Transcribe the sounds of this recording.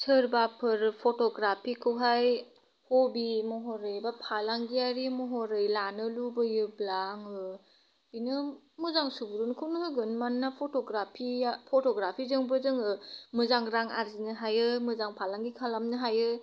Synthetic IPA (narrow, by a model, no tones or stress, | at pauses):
sʰɯɾbapʰɯɾpʰotɔɡɾapʰikʰɯwɦaj | hɔbimɔɦɔɾɯjbapʰalaŋɡiaɾimɔɦɔɾɯjlanɯlubɯjɯblaŋɯ | inɯ | mɯzaŋsubuɾunkʰɯwnhɯɡɯnmanːapʰɔtɔɡɾapʰiapʰɔtɔɡɾapʰizɯŋbɯzɯŋɯmɯzaŋɾaŋa̰ɾzinɯɦajɯmɯzaŋpʰalaŋɡikʰalamnɯɦajɯ